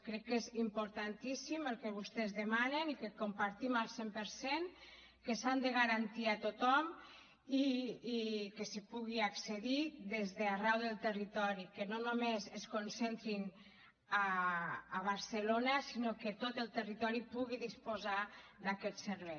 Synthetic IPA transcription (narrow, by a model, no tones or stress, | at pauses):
kɾɛkːezimpoɾt̪ant̪isiməlˠkɛβust̪ɛzðemanenikekompaɾt̪imalˠsempəɾsen | kesand̪eɣaɾant̪iat̪ot̪ɔm | iː | kesepuɣ̞iakseðiðezðearɛwðəlˠt̪erit̪ɔɾikenonomezeskonsent̪ɾin | aː | β̞aɾselonasinoket̪ot̪əlˠt̪ərit̪ɔɾipuɣiðispozad̪akɛt̪seɾβɛj